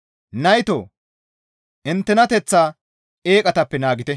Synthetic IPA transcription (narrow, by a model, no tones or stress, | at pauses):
nɐjt̪oː | ʔɪnt̪ːɛnɐt̪ɛt͡sːaː | ʔe̞ːkʼɐt̪ɐpːɛnaːɡɪt̪ɛ